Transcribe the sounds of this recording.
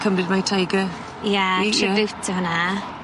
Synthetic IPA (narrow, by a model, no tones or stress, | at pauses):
kʰəmrɪdmajtʰajɡə | jɛtʰrɪbɪwtʰəɦʊna